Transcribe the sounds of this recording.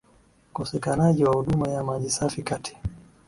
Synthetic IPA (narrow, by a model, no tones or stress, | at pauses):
ukɔsɛkanaʄiwahuɗumajamaʄisafikatʰi̥